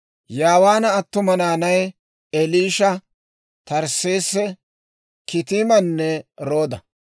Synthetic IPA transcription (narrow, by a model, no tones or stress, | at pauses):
jaːwaːnɐːt̪ːʊmɐnaːnɐj | ɛliːʃɐ | t̪ɐɾseːsːɛ | kɪt̪iːmɐnːɛɾoːd̪ɐ